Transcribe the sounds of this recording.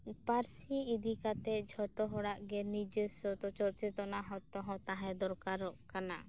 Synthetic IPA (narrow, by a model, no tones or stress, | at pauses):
paɾsiːd̪ikat̪ɛd͡ʒʱɔt̪ɔɦɔɽaʔɡɛnid͡ʒesɔt̪ɔt͡ʃɔt͡ʃɛt̪ɔnaɦɔ̃t̪ɔɦɔ̃t̪aɦɛ̃d̪ɔɾkaɾːɔʔkana̰